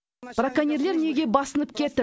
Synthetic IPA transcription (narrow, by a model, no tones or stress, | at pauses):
b̥rakanʲeɾle̞ɾne̞ɡʲe̞bɑsənəp̚kʲʰe̞t̪ɪ